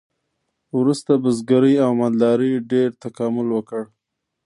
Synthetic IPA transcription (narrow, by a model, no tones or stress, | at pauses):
wɾust̪abəzɡaɾəjawmald̪ɑɾiɖeɾt̪akɑmʊlwəkəɽ